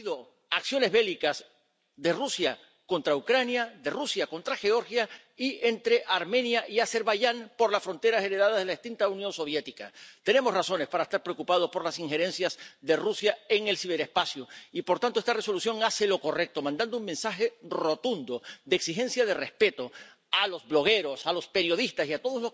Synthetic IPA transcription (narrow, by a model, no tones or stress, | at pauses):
ðo | aksjo̞ne̞zβe̞likaz | ðe̞rusja | ko̞nt̪ɾaukɾanjaðe̞rusjako̞nt̪ɾaxe̞o̞ɾxja | ient̪ɾe̞ʔaɾmẽ̞njaʔiase̞ɾβaʝaŋpo̞ɾlasfɾo̞nt̪e̞ɾase̞ɾe̞ðaðazðelaðist̪int̪aunjo̞nso̞β̞je̞t̪ika̰t̪e̞ne̞mosrasone̞spaɾaest̪aɾpɾeo̞kupað̞o̞spo̞ɾlasiŋxe̞ɾe̞nsjazðe̞rusjae̞ŋe̞lsiβe̞ɾespasjoipo̞ɾt̪ant̪oest̪are̞so̞lusjo̞ŋase̞lo̞ko̞re̞k̚t̪o̞mãnd̪and̪ouŋmẽ̞nsaxe̞ro̞t̪und̪o̞ðeeksixe̞nsjað̞e̞re̞spe̞t̪o̞ | alo̞zβlo̞ɣ̞e̞ɾo̞salo̞spe̞ɾjo̞ðist̪asiat̪o̞ðo̞slos